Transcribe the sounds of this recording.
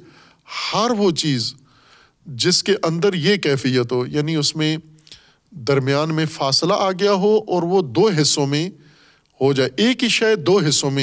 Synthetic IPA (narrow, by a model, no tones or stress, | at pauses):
hɐɾʋot͡ʃiːz | d͡ʒɪskeʔɐ̃nd̪əɾjekɛːfijət̪ɦoːjaːniʊsmẽ | d̪ɐɾmɪjaːnmẽfaːslaʔaːɡɐjaɦoʔɔːɾʋod̪oːɦɪsːõmẽ | ɦod͡ʒaːeʔeːkɦiʃaːjd̪oːɦɪsːõmẽ